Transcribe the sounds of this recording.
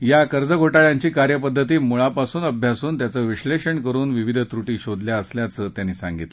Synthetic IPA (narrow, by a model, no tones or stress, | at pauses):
jakəɾd͡zəɡʱoʈaɭjaɲt͡ɕiːkaɾjəpəd̪ʱːət̪iːmuɭapasuːnəbʱjasuːnt̪jat͡səːʋiɕleɕəɳkəɾuːnʋiʋid̪ʱt̪ɾuʈiːɕod̪ʱljaəsljat͡səːt̪janːiːsã̰ŋɡit̪lə̥